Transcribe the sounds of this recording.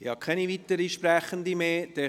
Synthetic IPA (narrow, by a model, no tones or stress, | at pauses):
ɪhɑkʰɛnivit̪əɾiʃpɾæχənd̪imeːd̥̪ɛ